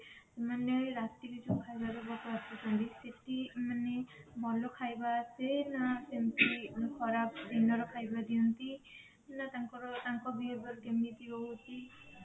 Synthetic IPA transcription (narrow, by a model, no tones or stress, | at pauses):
semaneɾasʈiɾit͡ʃɔkʰajbaɾebɔk̪ɔat̪ɔt̪ʰɔnd̪iseʈimanebʱɔlokʰajbasenasent̪ikʰɔɾapd̪ʱinɔɾɔkʰajbad̪iɔnt̪i | nat̪aŋkɔɾɔt̪aŋkɔbibɔɾkemit̪ibɔɦut̪i